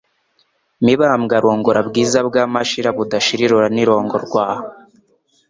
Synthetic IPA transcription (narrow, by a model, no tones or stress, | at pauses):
miβamɡaɾoːŋɡoɾabɡiːzabɡaːmaʃiɾaβudaʃiɾiɾoɾaniɾo̞ːŋɡoɾɡwaːho